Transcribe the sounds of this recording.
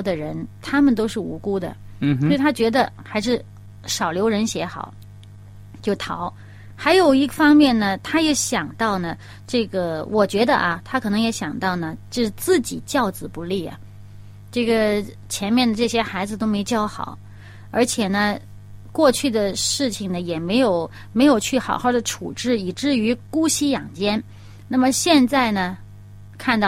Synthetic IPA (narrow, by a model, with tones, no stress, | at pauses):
d̪ə˨ɻə˧˥nt̪ʰa˥mə˨nt̪o˥ʊʂɻ̩˥˩ṵ˧˥ku˥d̪ə̰˨ | sɔ˧˥i˨˩t̪ʰa˥t͡ɕɥɛ˧˥d̪ə̰˧xa˧˥ɪʂ̬ɻ̩˥˩ | ʂɑ˨˩ʊljo˧˥ʊɻə˧˥nɕjɛ˧˥xɑ̰˨˩˦ʊ | t͡ɕjo˥˩ʊt̪ʰɑ˧˥ʊ | xa˧˥ɪjo˨˩ʊi˧˥fɑ˥ŋmjɛ˥˩nnə˩t̪ʰa˥jɛ˧˥ɕjɑ˨˩ŋt̪ɑ˥˩ʊnə˩ | ʈ͡ʂɤ˥˩ɡə˩wʔɔ˨˩t͡ɕɥɛ˧˥d̪ə̰˧ʔɐ˨˩t̪ʰa˥kʰɤ˨˩nɤ˧˥ŋjɛ˧˥ɕjɑ˨˩ŋt̪ɑ˥˩ʊnə˩t͡ɕjo˥˧ʂɻ̩˥˧t͡sɹ̩˥˩t͡ɕi˨˩t͡ɕjɑ˥˩ʊt͡sɹ̩˨˩pu˧˥li˥˩ɐ̰˩ | ʈ͡ʂɤ˥˩ɡə˩ | t͡ɕʰjɛ˧˥nmjɛ˥˩nd̪ə˩ʈ͡ʂɤ˥˩ɕjɛ˥xa˧˥ɪd͡zɹ̩˧t̪o˥ʊme˧˥ɪt͡ɕjɑ˥ʊxɑ̰˨˩˦ | ə̰˞˧˥t͡ɕʰjɛ˨˩nə˦ | kwɔ˥˧t͡ɕʰy˥˩d̪ə˩ʂɻ̩˥˩t͡ɕʰi˨˩ŋnə˩jɛ˨˩me˧˥ɪjo˨˧˩ʊ | me˧˥ɪjo˨˩ʊt͡ɕʰy˥˩xɑ˨˩ʊxɑ˥˩ʊd̪ə˩ʈ͡ʂʰṵ˨˩ʈ͡ʂɻ̩˥˩i˨˩ʈ͡ʂɻ̩˥˩y˧˥ku˥ɕi˥jɑ˨˩ŋt͡ɕjɛ˥n | na˥˩mə˩ɕjɛ˥˧nt͡sa˥˩ɪnə˩ | kʰa˥˧nt̪ɑ˥˩